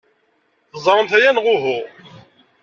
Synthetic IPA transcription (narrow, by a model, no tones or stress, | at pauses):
θəzˤɾˤəmθæjænʁʊɦʊ